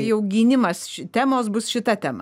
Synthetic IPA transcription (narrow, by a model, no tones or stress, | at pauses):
jɛʊɡʲiːnʲɪmɐsʃʲt̪ʲæːmoːs̬bʊsʃʲɪt̪ɐt̪ʲɛmɐ